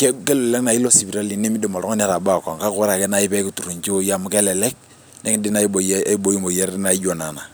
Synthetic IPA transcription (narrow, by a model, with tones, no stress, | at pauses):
kɛ˦kɛ˦lɛ˨lɛ˦k̚na˨i˦lɔ˦si˨bi˨ɾa˦li˨ne˦mi˦dɛ˨ma˨lɔ˦ŋɔ˦n˦ɾa˨ba˦˨ka˨ŋka˦kʊ˦ɾa˨kɛ˦na˦i˦pɛ˦ku˨tu˨ɾu˨nt͡ʃi˦o˦ja˦˨mu˦kɛ˦lɛ˨lɛ˦k̚ | nɛ˦kdɪ˦na˦o˨˦a˦bo˦ji˦mo˨ja˦ɾna˨˦i˦d͡ʒɔ˨na˨na˨